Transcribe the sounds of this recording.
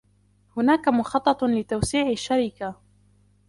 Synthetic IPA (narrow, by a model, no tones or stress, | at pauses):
hʊnaːkamʊxɑt̪ˤːɑt̪ˤlɪt̪awsiːʕaʃːaɾika